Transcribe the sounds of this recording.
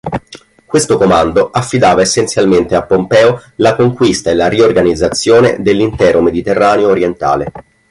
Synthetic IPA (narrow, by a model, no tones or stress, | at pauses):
kwest̪okomand̪oʔafːid̪aːvaesːensjalment̪eapːompɛːolakoŋkwist̪aelariorɡanid̪zːat̪sːjoːnḛd̪elːint̪ɛːɾomed̪it̪erːaːneoːɾjent̪a̰ːle